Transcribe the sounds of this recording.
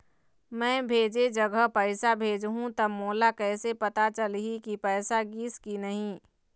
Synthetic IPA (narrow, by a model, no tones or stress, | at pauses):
mɛ̃ːbʱeːd͡ʒed͡ʒəɡəpəɪsabʱeːd͡ʒɦũt̪əmoːlakɛːsepɐt̪at͡ʃəlɦikipɛːsaɡiːskinɐɦĩː